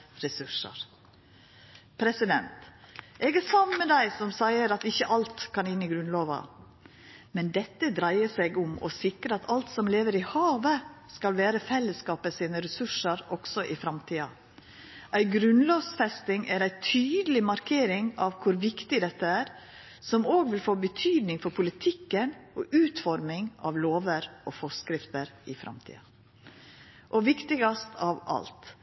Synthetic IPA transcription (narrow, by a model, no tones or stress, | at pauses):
ɾɛsʉʂə̰ɾ | pʰɾɛsɪd̪ɛnt̪ʔɛːɡæsɑmnməd̪æɪsɔmsæɪəɾɑt̪ɪçːəʔɑlt̪kʰɑnɪnːɪɡɾʉnloːʋɑ̰ | mɛnd̪ɛt̪ːəd̪ɾæɪəsɛɡʊmɔ̰sɪkɾəɑt̪ʰɑlt̪sɔmleːʋəɾɪhɑːʋəskɑlʋæːɾəfɛlːəskɑːpəsiːnəɾɛsʉʂəɾɔksɔʔɪfɾɑmt̪ʰiːɑ̰ | ʔæɪɡɾʉnloːsfɛst̪ɪŋæɾæɪt̪ʰyːd̪əlɪmɑɾkʰeːɾɪŋɑʋkʰʊɾʋɪkt̪ɪd̪ɛt̪ːəæːɾ | sɔmoːɡʋɪlfoːbət̪ʰyːd̪nɪŋfɔɾpʰʊlɪt̪ʰɪkːənʔɔʔʉːt̪fɔɾmɪŋɑ̰ʋloːʋəɾʔɔfɔskɾɪft̪əɾɪfɾʔɑ̰mt̪ʰḭːɑ | ʔɔʋɪkt̪ɪɡɑst̪ʰɑʋɑ̰lt̪